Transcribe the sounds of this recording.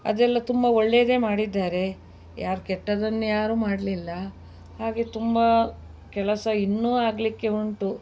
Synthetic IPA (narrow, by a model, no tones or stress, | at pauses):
ɐ̰d̪ɛlːɐt̪umbɐoɭːejɐd̪e̞ːmaːɽid̪ːaːɾe̞ | jaːɾukɛʈːɐd̪ɐnːujaːɾuːmaːɽɐlilːɐ | haːɡe̞t̪umbɐ | kɛlɐsɐinːuːaːɡlikːe̞uɳʈu